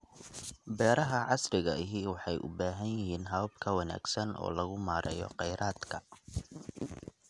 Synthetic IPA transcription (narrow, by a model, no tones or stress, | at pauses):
bɛːɾɐɦɐʕɑsrɪɣɐʔɪɦɪwɑħɑjʔʊ̰baːɦɐnjɪɦiːnɦɐβɐbkʰɐwɑna̰ːɡsɐnʔɔ̰ːlɐɣʊmaːɾʔɛ̰jɔ̰qɛjɾʔaːd̪kʰɐ